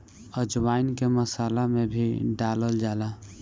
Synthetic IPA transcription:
əd͡ʒwaːinkeməsaːlamẽbʱiɖaːləld͡ʒaːla

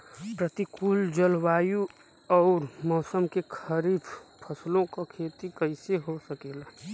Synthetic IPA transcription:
pɾət̪ikuːld͡ʒəlwaːju | ɔːɾmɔːsəmkekʰəɾiːfpʰəslõkakʰeːt̪ikəɪseɦosəkeːla

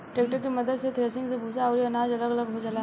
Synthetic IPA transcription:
ʈeːk̚ʈəɾkimɐd̪əd̪set̪ʰɾeːsɪ̃ŋɡsebʱuːsaɔːɾiɐnaːd͡ʒɐləɡɐləɡɦod͡ʒɐla

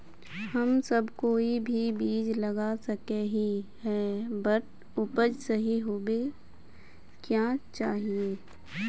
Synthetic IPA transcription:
hɐmsɐbkoːibʱibiːd͡ʒlɐɡasɐkeɦiɦɛːbɐʈ̚ | ʊpəd͡ʒsɐɦiɦoːbe | kjaːt͡ʃaːɦieː

